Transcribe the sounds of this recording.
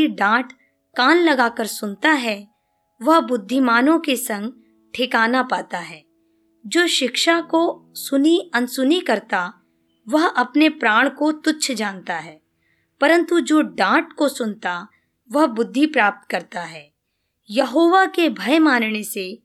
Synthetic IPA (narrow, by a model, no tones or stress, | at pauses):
iɖãːʈ | kaːnlɐɡaːkəɾsʊnt̪aɦɛ | ʋɐɦbʊd̪ʱːimaːnõkesɐ̃ŋɡ | ʈʰɪkaːnapaːt̪aɦɛː | d͡ʒoːʃɪkʃakosʊniɐnsʊnikɐɾt̪a | ʋɐɦɐpnepɾaːɽ̃kot̪ʊtːʃʰd͡ʒaːnt̪aɦɛː | pɐɾə̃nt̪ud͡ʒoːɖãːʈkosʊnt̪a | ʋɐɦbʊd̪ʱːipɾaːp̚t̪kɐɾt̪aɦɛː | jɐɦoːʋakebʱɐjmaːnnese